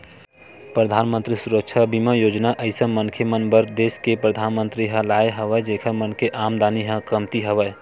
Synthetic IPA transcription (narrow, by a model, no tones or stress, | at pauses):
pɾəd̪ʱanmə̃nt̪ɾisuɾək̚t͡ʃʰabiməjod͡ʒnaʔəɪsə̃mənkʰjəmənbəɾd̪eskepɾəd̪ʱanmənt̪ɾiɦə̃laeɦəβəd͡ʒekʰəmənkʰeʔamd̪aniɦə̃kəmt̪iɦəbə